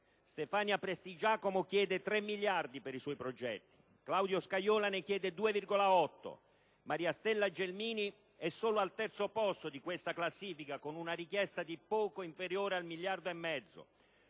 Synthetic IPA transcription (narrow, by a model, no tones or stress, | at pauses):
st̪ɛfaːnjapɾest̪id͡ʒaːkomokjɛːd̪et̪ɾɛmːiljard̪ipeɾiswɔjpɾod͡ʒɛ̰t̪ːi̥ | klawd̪joskajɔːlanekjɛːd̪ed̪uːevirɡolaɔt̪ːo̰ | maɾiːast̪ɛlːad͡ʒelmiːni | ɛsːoːloalt̪ɛrt̪sopɔst̪od̪ikwest̪aklasːiːfikakonunarikjɛst̪ad̪ipɔːkoiɱfeɾjoːɾealmiljard̪oemːɛd̪zːo̰